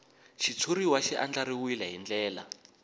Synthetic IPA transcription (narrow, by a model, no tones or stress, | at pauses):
ʃit͡sʰuɾiwaʃiʔand͡ɮaɾiwuilaɦind͡ɮɛːla